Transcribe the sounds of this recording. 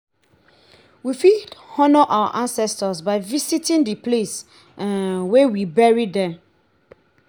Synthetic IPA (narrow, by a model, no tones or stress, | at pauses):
wifidhɔnɔʔawa̰ʔãnsɛstəsbaɪvisitĩndəples | wewibɛɹidɛ̃